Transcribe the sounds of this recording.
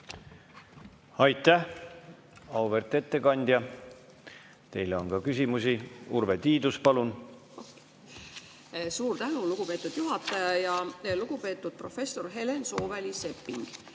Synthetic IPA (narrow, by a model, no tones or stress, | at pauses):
ɑjt̪ˑːæh | ɑwvert̪ːˑe̞t̪ːe̞kɑnʲd̪̥ʲjɑ | t̪e̞jleo̞nkɑkysʲimusiurvet̪iːd̪uspɑlun | suːɾt̪ænuluɡ̥upe̞ːt̪ːˑud̪̥juɦɑt̪ːˑɑjɑjɑluɡ̥upe̞ːt̪ːˑud̪̥̚pro̞fe̞sːo̞rɦe̞lenso̞ːvelise̞pːiŋɡ̥